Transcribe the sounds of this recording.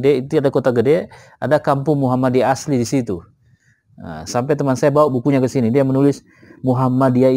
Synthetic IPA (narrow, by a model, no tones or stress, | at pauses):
dɛit̪uadakot̪aɡədɛ | a̰dakampuŋmuɦamadiaslidisit̪u | ə̰sampɛt̪əmansajabawabukuɲakəsinidiamənulɪs | muɦamadiai